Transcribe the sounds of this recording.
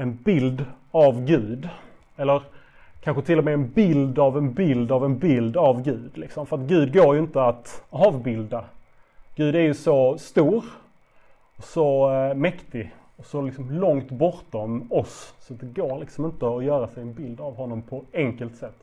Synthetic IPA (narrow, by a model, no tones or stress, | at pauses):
ɛnbɪld̪ | avɡʉ̟ːd̪ | ɛlːəɾ | kʰanɧət̪ʰɪlːɔmɛːnbɪld̪avɛnbɪld̪avɛnbɪld̪avɡʉ̟ːd̪lɪksɔmfœɾat̪ɡʉ̟ːd̪̚ɡoːɾjɵɪnt̪əat̪ɑːvbɪld̪a | ɡ̥ʉ̟ːd̪æɾjɵsɔst̪uːɾ | ɔsɔmɛkt̪ɪ | ɔsɔlɪksɔmlɔŋt̪bɔɾt̪ɔmɔssɔat̪̚d̪ɛɡoːɾlɪksɔmɪnt̪əɔjœːɾasɛjɛnbɪld̪avɦɔnːɔmpʰɔɛŋkəlt̪sɛt̪ː